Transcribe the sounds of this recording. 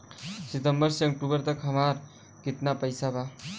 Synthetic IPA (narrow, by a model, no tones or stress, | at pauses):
sit̪əmbʌɾseɔk̚ʈubʌɾt̪ʌkɦʌmaɾ | kit̪napəjsaba